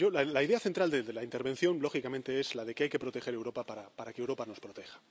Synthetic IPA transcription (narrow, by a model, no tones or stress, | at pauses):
o̞lalaiðe̞aθe̞nt̪ɾald̪ed̪elaint̪e̞ɾβe̞n̟θjo̞nlo̞xikamẽnt̪e̞e̞z̥laðe̞keajke̞pɾo̞t̪e̞xe̞ɾewɾo̞papaɾapaɾakeːwɾo̞pano̞spɾo̞t̪e̞xḁ